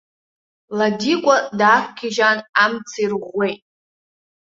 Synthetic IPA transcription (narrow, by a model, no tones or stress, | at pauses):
ladikʷʼadaːχʷkʲʰiʒanamt͡sʰirʁʷːejtʼ